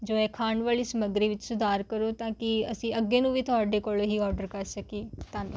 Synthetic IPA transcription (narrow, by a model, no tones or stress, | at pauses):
d͡ʒoːɛːkʰaːɳʋaːliːsəməɡɾiːʋɪt͡ʃsʊd̪ʱaːɾkəɾoːt̪ãːkɪəsĩːəɡːeːnũːʋiːt̪ʰʊɦaːɖeːkoːlɦiːɔːɾɖəɾkəɾsəkeːt̪ãːnṵ̃